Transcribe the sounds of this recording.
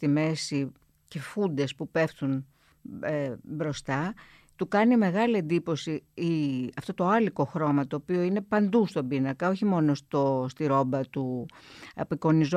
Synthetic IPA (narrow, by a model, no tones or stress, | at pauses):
t̪ime̞si | ce̞fund̪e̞spupe̞fθun | ebɾo̞st̪ɐ | t̪ukɐnime̞ɣɐlie̞nd̪ipo̞siiɐft̪o̞t̪o̞ɐliko̞xɾo̞mɐt̪o̞ːpio̞ine̞pɐnd̪ust̪o̞binɐkɐo̞çimo̞no̞st̪ost̪iɾo̞bɐt̪u | ɐpiko̞niz